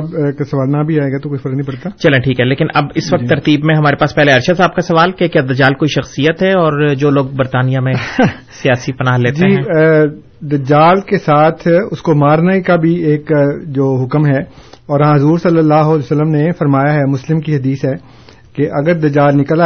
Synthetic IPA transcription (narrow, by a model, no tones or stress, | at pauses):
bkasɐʋaːlnabʱiaːeːɡat̪okoːifɐɾəknĩbɐɽt̪at͡ʃɐlẽʈʰiːkɦɛleːkɪnʔɐ̰bɪsʋɐk̚t̪ːɐɾt̪iːbmẽɦɐmaːɾepaːspɛɦleɐɾʃəd̪saːb̚kasɐʋaːlkekjaːd̪ɐd͡ʒaːlkoːiʃɐxsijət̪ɦɛɔːɾd͡ʒoːloːɡ̚bɐɾt̪aːnijamẽ | sijaːsipɐnaːɦleːtd͡ʒeiːɛ̃ː | d̪ɐd͡ʒaːlkesaːt̪ʰʊskomaːɾnaikabʱieːkd͡ʒoːɦʊkmɦɛɔːɾãɦɐzuːɾsɐlːəlːaːɦʊɐlsəlːəmnefɐɾmaːjaɦɛmʊslɪmkiɦɐd̪iːsɦɛː | keʔɐɡəɾd̪ɐd͡ʒaːlnɪkəla